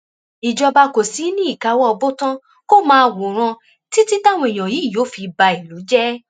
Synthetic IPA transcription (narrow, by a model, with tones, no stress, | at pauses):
i˨d͡ʒɔ˧ba˧ko˨si˨˦nĩ˦i˦˨ka˨˧˦wɔ˦ɔ˧bo˦tã˦ | ko˦mãː˧wo˨ɾ̃ã˧ | ti˦ti˦ta˦˨w̃ɔ̃˧i˨j̃ɔ̃˨ji˨˦˨jo˨˦fi˧ba˧i˨lu˨˦d͡ʒɛ˦